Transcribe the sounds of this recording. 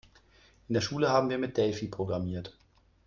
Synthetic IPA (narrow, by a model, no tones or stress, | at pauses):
ʔɪndeːɐʃuːləhaːbm̩viːɐmɪt̚d̥ɛlfipʁ̥oɡʁamiːɐt